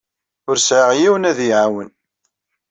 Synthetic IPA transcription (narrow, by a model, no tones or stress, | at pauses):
ʊɾsʕəʁjiwənæðjʕawən